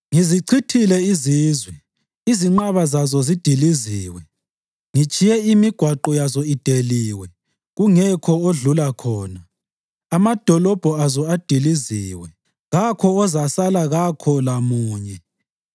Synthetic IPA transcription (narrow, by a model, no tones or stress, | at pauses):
ŋiziǀʰitʰilɛiziːzwɛ | iziŋ͡ǃaβazazɔzid̥ʱiliziːwɛ | ŋit͡ʃʼijɛimiɡ̥ʱwaǃɔjazɔid̥ʱeliːwɛ | ɣuŋɛkʰɔoɮulakʰɔːnaː | mad̥ʱɔlɔb̥ʱɔazɔad̥ʱiliziːwɛ | ɣakʰɔːzasalaɣakʰɔlamuːɲɛ